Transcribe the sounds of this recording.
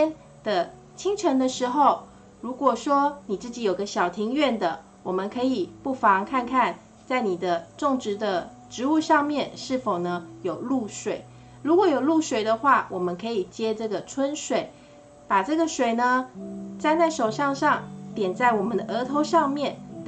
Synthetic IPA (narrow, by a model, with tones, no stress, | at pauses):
ɛ˥n | d̪̥ə˨ | t͡ɕʰi˥ŋʈ͡ʂʰə˧˥ŋd̪ə˧ʂɻ̩˧˥xo˥˧ʊ | ɻu˧˥kwɔ˨˩ʂwɔ˥ni˨˩t͡sɹ̩˥˩t͡ɕi˧˥jo˨˩ʊɡə˦ɕjɑ˨˩ʊt̪ʰi˧˥ŋɥɛ˥˩nd̪ə˩ | wɔ˨˩mə˨˦nkʰɤ˧˥i˨˩pu˥˩fɑ˧˦˥ŋkʰa˥˧nkʰa˥˧n | t͡sa˥˩ɪni˨˩d̪ə˦ʈ͡ʂo˥˩ŋʈ͡ʂɻ̩˧˥d̪ə˧ | ʈ͡ʂɻ̩˧˥u˥˧ʂɑ˥˧ŋmjɛ˥˨nʂɻ̩˥˩fo˨˩ʊnə˦jo˨˩ʊlu˥˩ʂwe˨˩˦ɪ | ɻu˧˥kwɔ˨˧˩jo˨˩ʊlu˥˩ʂwe˨˩ɪd̪ə˦xwa˥˩wʔɔ˨˩mə˦nkʰɤ˧˥i˨˩t͡ɕjɛ˥ʈ͡ʂɤ˥˩ɡə˩ʈ͡ʂʰwə˥nʂwe˨˩˦ɪ | pa˨˩ʈ͡ʂɤ˥˩ɡə˩ʂwe˨˩ɪnə˩t͡sa˥˧ɪt͡sa˥˩ɪʂo˨˩ʊʂɑ˥˧ŋʂɑ˥˩ŋt̪jɛ˨˩nt͡sa˥˩ɪwɔ˨˩mə˦nd̪ə˩ʔə˧˥t̪ʰo˧˥ʊʂɑ˥˧ŋmjɛ˥˩n